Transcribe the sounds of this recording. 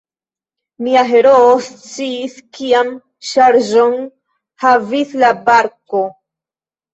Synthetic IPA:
miaɦe̞ɾoost͡siːskiam | ʃaɾʒo̞n | havislabaɾko̞

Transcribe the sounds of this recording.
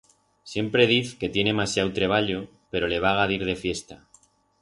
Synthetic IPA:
sje̞mpɾe̞ð̞iθke̞t̪je̞ne̞masjawt̪ɾe̞β̞aʎo̞ | pe̞ɾo̞le̞β̞aɣ̞aðiɾðe̞fje̞st̪a

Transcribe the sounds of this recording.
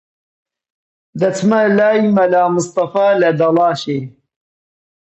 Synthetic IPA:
d̪ɐt͡smɐlaːimɐlaːmɨst̪ɐfaːlɐd̪ɐlɑːʃej

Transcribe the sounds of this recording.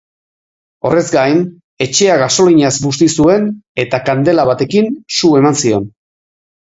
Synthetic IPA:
o̞re̞zɡajn | e̞t͡ʃe̞aɣaso̞liɲazbust̪isue̞ne̞t̪akand̪e̞laβat̪e̞kinsue̞mansio̞n

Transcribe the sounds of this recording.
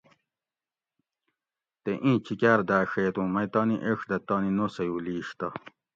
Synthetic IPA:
t̪eʔĩːt͡ɕʰikæːɾd̪æːʂeːt̪ũːmɐjt̪ɑːniʔeʂd̪ɐt̪ɑːninosɐjuːliːɕt̪ɐ

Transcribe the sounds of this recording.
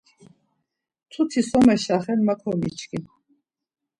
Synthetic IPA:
t̪ʰut̪ʰisɔmɛʃaχɛnmakʰɔmḭt͡ʃʰkʰi

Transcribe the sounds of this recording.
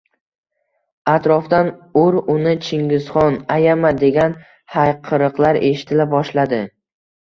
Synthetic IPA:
at̪ɾɒfd̪anʊɾʊnɪt͡ʃʰɪŋɡʲɪzχɒnajamad̪e̞ɡʲan | hajqʰɨɾɨqlˠaɾe̞ʃɪ̥t̪ʰɪlabɒʃlad̪ɪ

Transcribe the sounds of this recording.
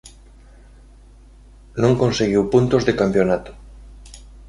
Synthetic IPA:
nõŋkõnseɣiwpunt̪ozðekampjonat̪o̥

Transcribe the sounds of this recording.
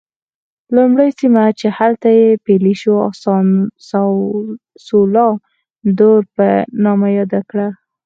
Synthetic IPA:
lumɽəjsimat͡ʃehalt̪ajepeliʃuɑ̰ssa | solɑ | d̪oɾpənɑmajɑd̪akɽa

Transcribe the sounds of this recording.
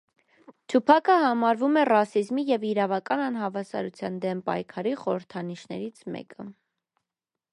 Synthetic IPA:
t̪ʰupʰɑkʰəhɑmɑɾvumɛrɑsizmijɛviɾɑvɑkɑnɑnɦɑvɑsɑ̰ɾut͡sʰjɑnd̪ɛmpɑ̰jkʰɑɾiχɔɾəɾt̪ʰɑniʃnɛ̰ɾit͡sʰmɛ̰kə

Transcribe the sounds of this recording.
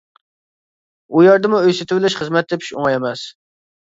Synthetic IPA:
ujɑɾd̪ɨmuøjsɪt̪ʰɪbɪlɪʃχəzmɛt̪̚d̪ɪpʰi̥ʃo̰ŋɑjɛmɛs

